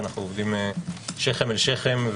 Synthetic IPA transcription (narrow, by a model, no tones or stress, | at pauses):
naχnuovd̪imeʃeχemelʃeχemv